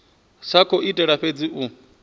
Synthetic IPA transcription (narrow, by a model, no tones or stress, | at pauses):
sakʰɔʔitʼɛɺaɸed͡ziʔu